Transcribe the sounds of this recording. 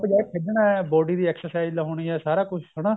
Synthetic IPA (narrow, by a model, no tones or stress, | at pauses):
bəd͡ʒaːepʰɪɖɳaːɛːbɔːɖiːd̪iːɛːksəɾsaːɪzlaɦoːɳiːɛːsaːɾaːkʊt͡ʃʰsʊɽaː